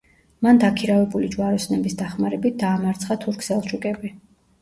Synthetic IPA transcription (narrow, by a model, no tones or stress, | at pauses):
mand̪akʰiɾavɛbulid͡ʒwaɾɔsnɛbisd̪aχmaɾɛbit̪̚ʰd̪aːmaɾt̪sʰχat̪ʰuɾkʰsɛlˠʃʰukʼɛbi